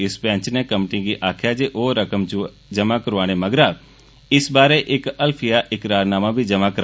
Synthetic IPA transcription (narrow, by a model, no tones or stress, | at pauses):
ɪsbɛ̃ːt͡ʃnẽːkəmʈĩɡiʔaːkʰjaːd͡ʒeʔoːɾəkəmd͡ʒ | d͡ʒəmaːkəɾʋaːɽ̃eməɡɾaː | ɪsbaːɾeʔɪkəlpʰijaːʔɪkɾaːɾnaːmãːbʱid͡ʒəmaːkəɾ